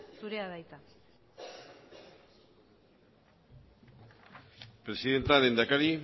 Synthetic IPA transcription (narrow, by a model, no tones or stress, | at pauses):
suɾeaðajt̪a | pɾe̞siðe̞nt̪aɾe̞nd̪akaɾi